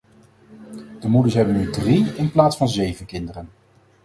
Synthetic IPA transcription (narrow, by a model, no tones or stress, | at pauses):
d̥əmudəsɦɛbənydriɪnplaːtsfɑnzejvənkɪndərən